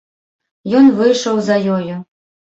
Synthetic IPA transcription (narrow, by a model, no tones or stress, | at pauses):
jɔnvɨjʂɐwzɐjɔju